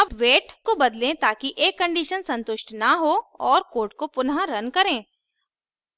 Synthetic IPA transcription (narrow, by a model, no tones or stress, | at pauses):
ɐbʋeːʈkobɐd̪lẽt̪aːkiʔeːkːɐ̃ɳɖiːʃənsɐ̃nt̪ʊʃʈnɐɦoɔːɾkoːɾʈ̚kopʊnɦaɾɐnkɐɾẽː